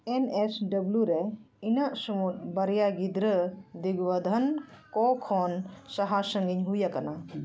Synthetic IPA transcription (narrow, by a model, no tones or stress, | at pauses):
enesɖɐbljuɾɛ | inaʔsumut̪̚bɐɾjaɡid̪ɾəd̪iɡwɐd̪ʱɐnkɔkʰɔnsɐɦasəŋɡiɲɦujakɐna